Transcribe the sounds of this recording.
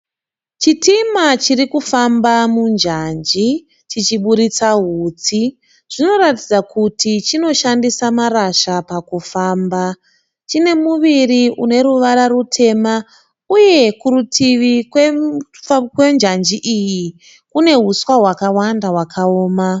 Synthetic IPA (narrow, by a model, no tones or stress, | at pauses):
t͡ʃitimat͡ʃirikufambamund͡ʒand͡ʒi | t͡ʃit͡ʃiɓuɾit͡saɦut͡si | ʐ̥ino̞ratid͡zakutit͡ʃino̞ʃandisamaɾaʃapakufaːmba | t͡ʃine̞muʋiriʔune̞ɾuʋaɾaɾutʰe̞ma | uje̞kuɾutʰiʋikwe | kwe̞nd͡ʒand͡ʒiʔiji | kune̞ɦuswaɦwakawandaɦwakʰaoːma